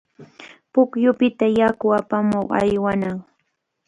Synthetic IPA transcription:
pʊkjʊpɪt̪ajakʊapamoχa̰jwanaŋ

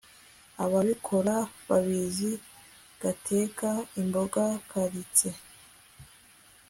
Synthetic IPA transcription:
aβaβikʰo̞ɾaβaβizi | ɡ̥atʰe̞kaimbo̞ɡakʰaɾit͡se̞

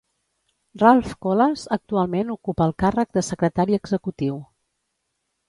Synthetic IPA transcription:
ralˠfkolazək̚t̪ualˠmenukupəːlˠkarəɡ̚d̪əsəkɾət̪aɾiəɡzəkut̪iw

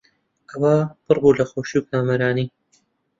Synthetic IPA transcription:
kʰɐwaːpʰɨrbuːlɐxoːʃiwkʰaːmɐɾaːniː

